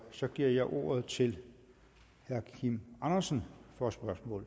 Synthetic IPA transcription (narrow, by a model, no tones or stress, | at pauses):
sɒ̽ɡ̥iɐ̰jɑ̈ɪʔo̝̰ːɐð̞ˠt͡sʰe̝l | hæɐkʰimɑ̈nɐsən̩fɒsb̥ɶɐsmɔ̰̽ːl